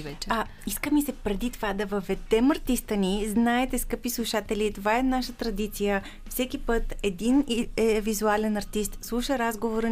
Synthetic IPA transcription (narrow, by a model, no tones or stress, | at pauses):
vɛt͡ʃɐ | iskəmisɛpɾɛd̪it̪ovad̪ɐvəvɛd̪ɛmɐɾt̪ist̪əniznaɛt̪ɛskɤpislˠuʃat̪ɛlit̪ovaɛnaʃət̪ɾɐd̪it̪sijə | fsɛkipɤt̪ɛd̪inɛvizualɛnɐɾt̪ist̪slˠuʃəɾazɡovoɾə